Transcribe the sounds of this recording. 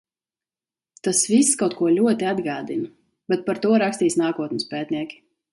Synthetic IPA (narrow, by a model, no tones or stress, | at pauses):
t̪asvisːkawt̪̚kuɔlʲuɔt̪iad̪ɡaːd̪ina | bɛt̪̚paɾt̪uɔɾakst̪iːsnaːkuɔt̪nʲɪspɛːt̪niɛkʲi̥